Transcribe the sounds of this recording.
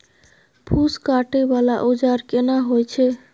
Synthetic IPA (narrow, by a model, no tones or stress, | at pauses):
pʰuskaʈebalaʔud͡ʒaɾkenaɦojt͡ʃʰe